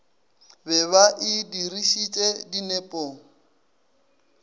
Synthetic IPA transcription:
bɛβaʔɪdiriʃit͡ʃʼedinɛpʼoŋ̩

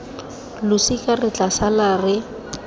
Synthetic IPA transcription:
lʊsikʼarɪt͡ɬasalarɪ

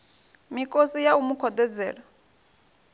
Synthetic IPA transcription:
mikʼosijaumukʰɔd̪ɛd͡zɛːɺa

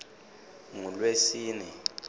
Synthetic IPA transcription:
ŋulwesiːnɛ

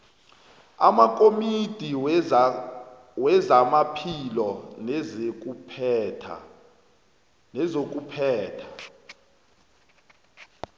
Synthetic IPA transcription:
a̰makʼomid̥ʱi | wɛzamapʰilɔnɛzek̬ʼupʰːtʰa̰ | nɛzok̬ʼupʰɛːtʰḁ

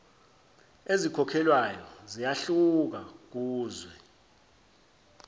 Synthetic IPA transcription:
ezikʰɔkʰɛlwajɔzijaɬuk̬ak̬uːzwɛ

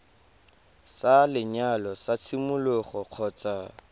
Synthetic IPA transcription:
salɪɲalɔsat͡sʰimʊlʊχɔq͡χʰɔːt͡sa

